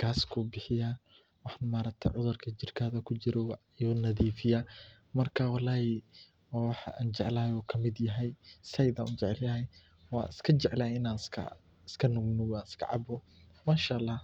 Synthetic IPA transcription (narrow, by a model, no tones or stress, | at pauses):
ɡ̥aːskʰʊbɪħɪjaː | wɑħnmaːɾɐk̚t̪ʰɐ̰ʕʊðʊrkʰɐt͡ʃɪrkʰɐːðɐkʰʊt͡ʃɪɾɔw | jɔnɐðiːfɪja | mɐrkʰɐwɑlaːhɪ | waːwɑħa̰ːnt͡ʃɛʕlaːjɔːkʰɐmɪd̪jɐɦɛjsɐjd̪aʔʊt͡ʃɛʕɛljaː | wɑ̰ːʔɪskʰɐt͡ʃɛʕlaːɪnaːnskʰɐ̰ | ɪskʰɐnʊɡnʊwanɪskʰɐ̰ʕɑ̰bɔ | maːʃaːlːɑːh